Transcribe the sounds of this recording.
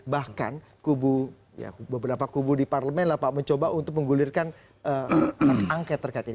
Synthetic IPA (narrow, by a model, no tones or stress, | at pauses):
bahka̰n | kubu | ja̰bəbəɾapakubudiparləmɛnlahpaməɲt͡ʃobaʔunt̪ʊk̚məŋɡulɪrkan | əaaŋkɛt̪ːərkait̪ini